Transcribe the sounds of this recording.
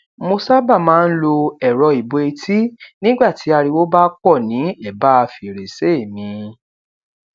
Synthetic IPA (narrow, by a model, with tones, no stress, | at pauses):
mo˧sa˦ba˦˨mãː˦˧n̩˦lo˧ɛ˨ɾɔ˧i˨bo˧i˧tʰi˦nĩ˦ɡ͡ba˦˨ti˨˦a˧ɾi˧wo˦ba˦kɔ˦˨nĩ˨˦ɛ˦˨ba˦˧fi˨ɾe˨se˦e˦˨mĩ˧